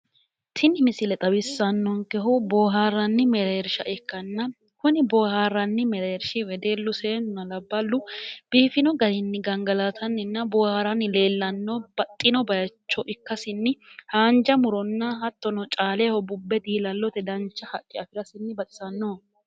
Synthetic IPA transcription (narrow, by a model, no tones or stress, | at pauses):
t̪ʰɪnɪmɪsɪlɛt̪ʼɐbɪsːɐnːɔŋkɛɦʊboːɦaːrːɐnːɪmɛɾeɾʃɐʔɛkːɐnːɐ | kʊnɪbɔːhaːrːɐnːɪmɛɾeɾʃɪwɛd̪e̞ːlːʊseːnʊnɐlɐbːɐlːʊb̥iːfɪnɔɡɐɾɪnːɪɡɐŋɡɐlat̪ʰɐnːɪnːɐbɔːhaːɾɐnːɪleːlːɐnːɔb̥ɐt̪ʼːɪnɔbɐjɐt͡ʃːɔʔɪkːɐsɪnːɪhaːnd͡ʒɐmʊɾɔnːɐɦɐt̪ːɔnɔt͡ʃʼaːlehɔbʊbːɛd̪iːlɐlːɔt̪ɛd̪ɐnt͡ʃːɐhɐkʼːɪɐfɪɾɐsɪnːɪbɐt̪ʼɪ̥sɐnːɔ